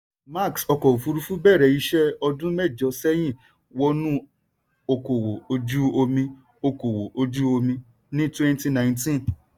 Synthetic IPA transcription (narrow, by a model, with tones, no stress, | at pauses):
ma˦˨ksɔ˧kɔ˨fu˧ɾu˧fu˦bɛː˦˨ɾɛ˨i˧ʃɛ˦ɔ˧dũ˦mɛ˦˨d͡ʒɔ˧˦sɛ˦j̃ĩ˦˨ | wɔ˦nũ˦ | o˧ko˨wo˨o˧d͡ʒu˦o˧mĩ˧ | o˧ko˨wo˨o˧d͡ʒu˦o˧mĩ˧ | nĩ˦twɛ̃˦n˦ti˧nã˨j̃ntĩ˦n